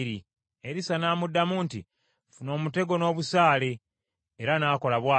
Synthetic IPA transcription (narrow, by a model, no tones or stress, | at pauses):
ɾi | eɾisanaːmudːamuntḭ | funo̞ːmute̞ɡo̞no̞ːβusaːle̞ː | ɾanaːko̞laβwaː